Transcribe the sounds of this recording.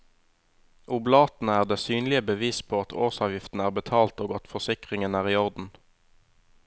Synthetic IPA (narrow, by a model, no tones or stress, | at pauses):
ʔʊblɑːt̪n̩əæːʁd̪eːsyːnlɪəbəʋiːspʰoːɑt̪ʰo̰ːsɑːʋjɪft̪n̩əæːʁbət̪ʰɑːlt̪oːɡɔt̪fɔʁsɪkʁɪŋənæːʁiːɔʁd̪n̩